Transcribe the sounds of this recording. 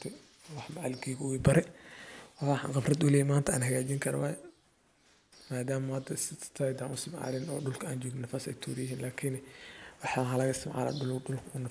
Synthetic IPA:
t̪ʰɛ | wɑħmɐʕa̰lɡiɣwibɐɾɛ | wɑaːħɑ̰ːŋqɑfrɐd̪ʊlɛːjɛmaːnt̪ɐa̰ːnɦɐɣaːt͡ʃɪŋkʰɐɾɐ̰wɑːjɛ | maːd̪aːmɐhɐd̪ɐst̪ʰajd̪aːnʊsɪmʕɑ̰ːlɪnɔːɖʊlkʰɐaːnd͡ʒɔːɡnɪnːɐfɐsɛ̰jt̪ʰuːɾɪjɪɦiːnlaːkʰɪnwɑħɑːɦɐlɐɣɐɪst̪ɪmʕa̰ːla̰ːɖʊlɖʊlkʰɐʊnɐ

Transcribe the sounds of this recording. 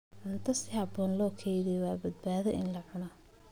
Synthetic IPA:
ʕʊnt̪ʰɐsɪhɐbɔːnlɔːkʰɛjðɛwɑːbɐd̪̚baːðɛʔɪnlɐʕʊna

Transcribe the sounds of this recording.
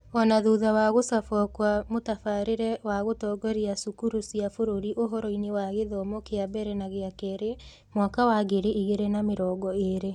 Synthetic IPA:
ɔnaðuðawaɣosafɔkwamotafaɾeɾɛwaɣotɔːɡɔɾiasukuɾosiafoɾoɾiʔoɦɔɾɔinewaɣeðɔmokeabɛɾɛnaɣeakɛɾe | mwakawaɡeɾeiɣeɾenameɾɔːɡɔeɾe

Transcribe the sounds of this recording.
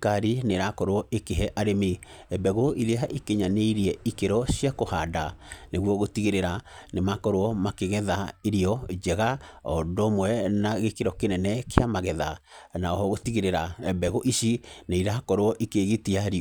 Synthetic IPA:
kaɾineɾakɔɾoɔʔekeɦɛʔaɾeme | ɛbɛɣoiðeaʔekeɲaneiɾiɛikeɾɔɕjakohadaneɣwɔɣotiɣeɾeɾanemakɔɾoɔmakeɣɛðaeɾiɔd͡ʒɛɣaɔdomwɛnaɣekeɾɔkenɛnɛkeamaɣɛðanaɔhɔɣotiɣeɾeɾaɛbɛɣoʔiʃineiɾakɔɾoɔʔikeɣetiaɾi

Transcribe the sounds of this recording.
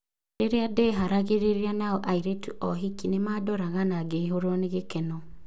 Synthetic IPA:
eɾeadɛɦaɾaɣeɾeɾianaɔʔaiɾetuʔɔɦikinemadɔɾaɣanaɡeiɦoɾɔneɣekɛnɔ

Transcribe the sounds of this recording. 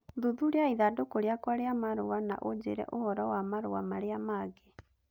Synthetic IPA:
ðuðuɾeaiðadokoɾeakwaɾeamaɾowana̰ʔod͡ʑḛɾɛ̰ʔohɔɾɔwamaɾowamaɾeamaɡe

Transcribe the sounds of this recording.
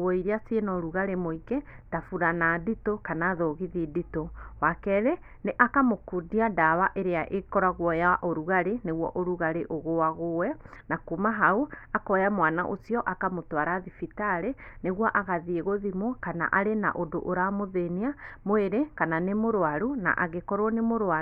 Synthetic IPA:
woiɾiasienɔɾuɣaɾemoikɛtafuɾanaditokanaðoɣiðiditowakɛɾe | neʔakamokudiadaβaʔeɾeaʔekɔɾaɣwɔjaʔoɾuɣaɾeneɣwɔ̰ʔoɾuɣaɾeʔoɣowaɣowɛnakumaɦauakɔjamwanaʔo̰siɔʔakamotwaɾaðifitaɾeneɣwɔʔaɣaðieɣoðimɔkana̰ʔaɾena̰ʔodo̰ʔoɾamoðeniamoeɾekananemoɾoaɾuna̰ʔa̰ɣekɔɾwɔnemoɾa

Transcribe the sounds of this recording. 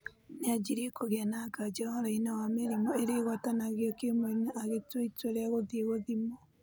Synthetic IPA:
nead͡ʒiɾiekoɣɛnakad͡ʒawaɾainawameɾimɔeɾeɣwatanaɣjɔkemoinaʔaɣetweitweɾeaɣoðieɣoðimo

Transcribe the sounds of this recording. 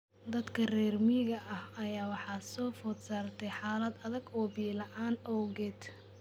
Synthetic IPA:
d̪ɐd̪kʰɐrɛːrmɪɣɐʔɐhɐjaːwɑħɑsɔːfɔd̪saːrt̪ʰɛjħɑːlɐd̪ɐðɐɡɔːbiːlɐʔaːnɔːɡɛːd̪

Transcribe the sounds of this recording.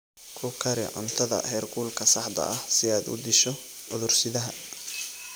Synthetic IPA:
kʰʊkʰɐɾɪ̰ʕʊ̰nt̪ʰɐðɐ̰hɛːrɡʰuːlkʰɐsɐħd̪ɐ̰ʔɐhsɪaːd̪ʊ̰d̪ɪʃɔ | ʊðʊrsɪðɐɦɐ

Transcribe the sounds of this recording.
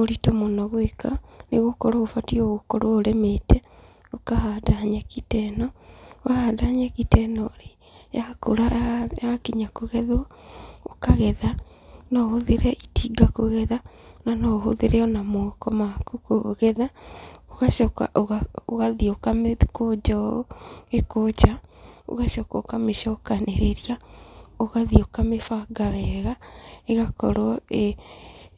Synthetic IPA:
oɾitɔmonɔɣwekaneɣokɔɾoofatiɔɣokɔɾaoɾemetɛ | okahaːdaɲɛkitɛnɔahaːdaːɲɛkitɛnɔɾe | jakoɾajakiɲakoɣɛðwɔ | okaɣɛða | nɔhoðeɾɛʔitiːɡakoɣɛðananɔɦo̰ðeɾeɔnamokɔmakukoɣɛðaoɣaʃɔka̰ʔoɣaoɣaðiokamekod͡ʒɔ | ekot͡ʃao̰ɣaʃɔkɔkameʃɔokaneɾeɾiaoɣaðiokamefaɡaβɛɣaeɣakɔɾɔe

